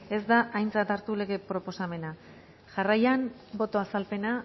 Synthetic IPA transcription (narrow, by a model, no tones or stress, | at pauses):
e̞zd̪aʔajnt͡sat̪aɾt̪ule̞ɣe̞pɾo̞po̞same̞na | ʝarajan | bo̞t̪o̞asalpe̞na